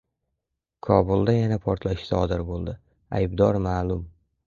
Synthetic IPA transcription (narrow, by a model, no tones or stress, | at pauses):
kʰɒbulˠd̪ajanapʰɒɾt̪ʰlaʃɪ̥sɒd̪ɪɾbolˠd̪ɪ | a̰jbd̪ɒɾmaːlʊm